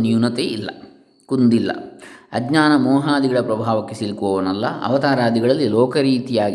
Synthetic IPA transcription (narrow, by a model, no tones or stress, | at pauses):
njunɐt̪eilːɐ̰ | kund̪ilːɐ̰ɐɡɲaːnɐmɔːɦaːd̪iɡɐɭɐpɾɐbʱaːʋɐkːesilkuʋɐʋɐnɐlːɐɐ̰ʋɐt̪aːɾaːd̪iɡɐɭɐlːilɔːkɐɾiːt̪ijaːɡi